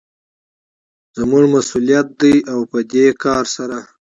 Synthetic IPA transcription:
zmuʐmasulijat̪̚d̪əjawpəd̪ekɑɾsaɾa

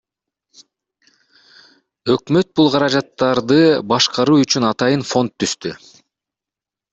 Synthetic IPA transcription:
ø̞kmø̞t̪̚bulˠqʰɑɾɑd͡ʒɑt̪ːɑɾd̪ɯbɑʃqɑɾuːyt͡ʃynɑt̪ɑjɯnfo̞nt̪ʰːyst̪y

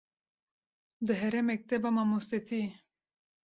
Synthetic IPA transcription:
d̪əɦeɾemek̚t̪ebɐmamuset̪ʰi

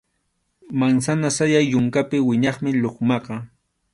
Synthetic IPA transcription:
maŋsanasajajːʊŋkapɪwɪɲɑχmɪʎoχmɑqɑ

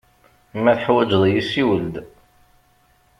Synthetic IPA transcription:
mæθəħwæd͡ʒðˤjisiwəld̪

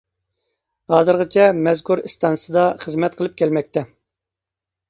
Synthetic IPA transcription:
hɑːzɨɾʁət͡ʃʰɛmɛzkʰuɾist̪ɑnsɨd̪ɑχəzmɛt̪̚qʰəlˠɨp̚kʲʰɛlmɛk̚ʲt̪ɛ

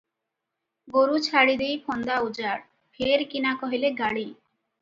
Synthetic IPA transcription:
ɡoɾut͡ɕʰaɽid̪ejpʰɔnd̪aud͡ʒaɽ | pʰeɾkinakɔɦileɡaɽi

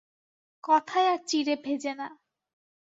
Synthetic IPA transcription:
kɔt̪ʰajat͡ʃiɾebʱed͡ʑena

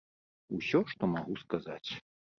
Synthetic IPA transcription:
usʲɔʂt̪ɔmaɣuskaza̰t͡sʲ

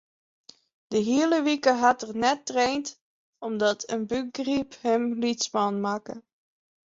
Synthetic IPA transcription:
d̥əɦiələʋikəɦɑtərnɛtːrejnt | ɔmdɑtʰənbəɡriphəmlitspɑnmaːkə

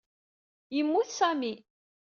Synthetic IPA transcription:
jəmːuθsæmi

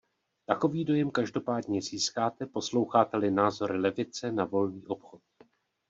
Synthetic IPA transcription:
t̪ako̞viːdo̞jɛmkaʒdo̞paːdɲɛziːskaːt̪ɛpo̞slo̞wxaːt̪ɛlɪnaːzo̞ɾɪlɛvɪt͡sɛnavo̞lniːʔo̞pxot̪̚

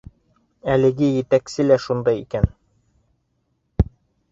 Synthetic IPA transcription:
ælɘ̆ɡɘjɘ̆t̪æksɘlæʃund̪ɑjikæn

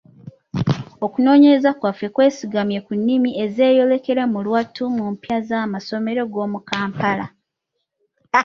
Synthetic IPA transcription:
o̞kuno̞ːɲe̞ɾezakwafːe̞kwe̞ːsiɡamje̞kunːimie̞ze̞ːjo̞le̞ke̞ɾemulwatumumpjazaːmaso̞me̞ɾo̞ɡo̞ːmukaːmpala

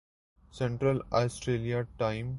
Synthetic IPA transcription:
sɛ̃ɳʈɾəlaːsʈɾeːliaʈãɪ̃m

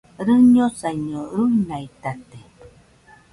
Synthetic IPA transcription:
ɾɨɲosajɲoɾujnajt̪at̪e

